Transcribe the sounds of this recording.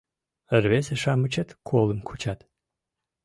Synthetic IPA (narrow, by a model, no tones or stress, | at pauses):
ərveseʂamɨt͡ʃʰɐt̪kʰolˠɨmkʰut͡ʃʰat̪